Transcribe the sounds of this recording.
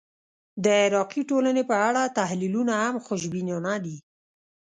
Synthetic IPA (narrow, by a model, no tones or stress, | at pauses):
d̪əɪɾɑqiʈolanepəaɽat̪ahlilunahamxʊʃbinjonad̪i